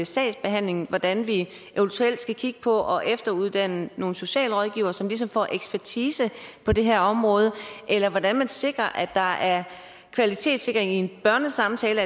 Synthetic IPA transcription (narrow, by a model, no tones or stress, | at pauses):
esɛ̰ɪsb̥e̝ɦæn̰le̝ŋn̩ʋɒd̥ænʋi | ʔeʊnt͡sʰuel̰d̥sɡ̥ækʰiɡ̥ə̥pʰɒ̽ʔɒ̽ʔefd̥ɐuð̞ˠd̥æn̰əno̝ːn̩so̝ɕɛ̰ːləʁɒð̞ˠɡ̥ḭːʊɐsɒ̽mlis̬ɒ̽mfɒ̰ːʔeɡ̥sb̥æɐt͡sʰiːsəpʰɒ̽d̥e̝ɦæɐɒ̽mʁɔ̽ːð̞ˠəʔelɐʋɒd̥ænmænse̝ɡ̥ʁɐʔæd̥ɑ̈æɐ | kʰʋælit͡sʰe̝̰ːd̥se̝ɡ̥ɐʁeŋie̝nb̥ɶɐnəsɑ̈mt͡sʰɛːlə